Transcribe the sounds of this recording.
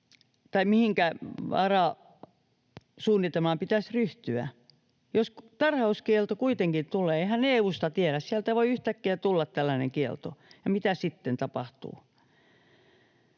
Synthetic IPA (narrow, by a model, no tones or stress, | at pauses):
t̪ɑimihiŋkæɑrɑ | suːnːit̪elmɑmpit̪æsryht̪yæ̰ | jost̪ɑrhɑuskielt̪okuit̪eŋkit̪t̪uleːehæneːust̪ɑt̪ieɾæssiælt̪æʋoiyht̪ækːiæt̪ulːɑt̪t̪ælːænḛŋkiḛlt̪o̰jɑmit̪æsit̪ːent̪ɑpɑht̪ṵː